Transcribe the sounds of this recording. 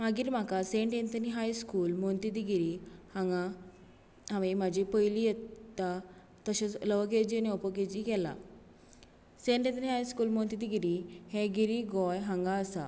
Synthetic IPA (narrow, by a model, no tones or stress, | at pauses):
maɡiːɾm̤akaseɳʈent̪əniɦajskuːlmont̪id̪iɡiɾihãŋɡa | ɦãʋĩmad͡ʑipəjlijɛt̪a | t̪əɕat͡sləʋək̬ed͡ʑianiɔpəked͡ʑikɛla̰ | seɳʈẽnt̪əniɦajskuːlmɔ̃nt̪id̪iɡiɾihɛ̃ɡiɾiɡɔjɦãŋɡaəsa̰